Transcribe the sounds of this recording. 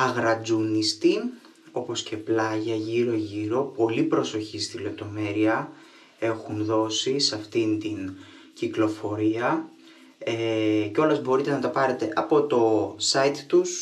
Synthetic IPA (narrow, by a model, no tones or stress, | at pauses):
ɐɣɾɐd͡zunist̪i | o̞po̞sce̞plɐʝɐʝiɾo̞ʝiɾo̞po̞lipɾo̞so̞çist̪ile̞p̚t̪o̞me̞ɾiɐ | e̞xunðo̞sisɐft̪int̪in | ciklo̞fo̞ɾiɐ | eceo̞lɐzbo̞ɾit̪e̞nɐt̪ɐpɐɾe̞t̪e̞ʔɐpo̞t̪o̞sɐit̪t̪us